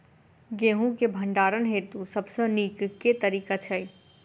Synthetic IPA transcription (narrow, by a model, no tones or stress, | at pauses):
ɡeɦũkebʱəɳɖaɾənɦet̪usəbsə̃nikket̪əɾikat͡ʃʰəj